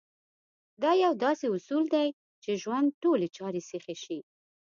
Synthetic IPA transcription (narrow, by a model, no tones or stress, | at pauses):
d̪ɑjawd̪ɑseʊsuld̪aj | t͡ʃeʒwand̪̚ʈolet͡ʃɑɾesexeʃi